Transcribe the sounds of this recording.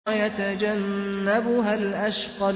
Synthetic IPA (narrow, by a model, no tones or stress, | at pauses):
jat̪ad͡ʒanːabʊɦalʔaʃqɑ